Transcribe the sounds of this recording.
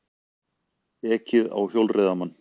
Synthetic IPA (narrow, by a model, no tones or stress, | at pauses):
ɛːcɪða̰wçjowlreːðamanː